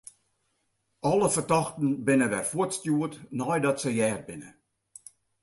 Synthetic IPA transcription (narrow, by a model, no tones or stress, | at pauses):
ɔlˠəfərtɑxtn̩bɪnəʋɛrfuətstjuətnɑjdɔtsəjɛːr̚bɪnə̰